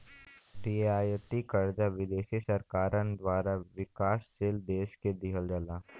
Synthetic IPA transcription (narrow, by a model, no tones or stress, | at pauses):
ɾiaːjət̪ikəɾd͡ʒaʋɪd̪eːʃisɐɾkaːɾənd̪ʋaːɾaʋɪkaːsːeld̪eːʃked̪ɪɦəld͡ʒəlaː